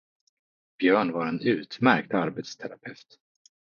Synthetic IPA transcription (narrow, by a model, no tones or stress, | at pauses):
b̥jœːɳvaɾɛnʉ̟ːt̪mæɾk̚t̪aɾbet̪st̪ʰɛɾapʰɛft̪